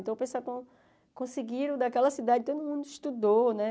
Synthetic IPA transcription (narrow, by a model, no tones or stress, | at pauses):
t̪ɐ̃wpẽsaɾkõ | kõsiɡiɾɐ̃d̪ɐkɛlɐsid̪ad͡ʒɪt̪od̪ʊmũnd̪ʊiʃt̪ud̪onɛ